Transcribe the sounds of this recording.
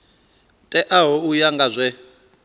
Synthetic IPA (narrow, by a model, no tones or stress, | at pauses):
tʼɛʔaɦɔujaŋɡazʷɛ